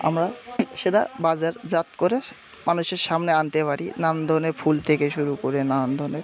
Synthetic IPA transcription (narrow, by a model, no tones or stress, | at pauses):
a̰mɾaʃeʈa̰bad͡ʑaɾd͡ʑat̪koɾe | manuʃeɾʃamneant̪epaɾinannd̪ʱonefʰult̪ʰekeʃuɾukoɾenanand̪ʱoneɾ